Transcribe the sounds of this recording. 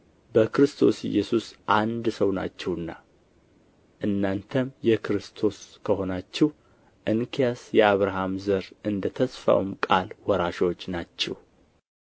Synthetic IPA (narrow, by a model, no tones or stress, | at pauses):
bəkɾɨst̪ʰo̞̰sɪ̰jːɛsusʔand̪səwna̰t͡ʃːɛwɨnːa | ʔɨnːant̪ʰəmjɛkɾɨst̪ʰo̞skʰəɦo̞nat͡ʃːɛh | ʔɨnkʰijasjɛaβɾaɦamzəɾʔɨnd̪ət̪ʰəsfa̰wmkʼalwɔɾaʃo̞t͡ʃːnat͡ʃːɛ̰w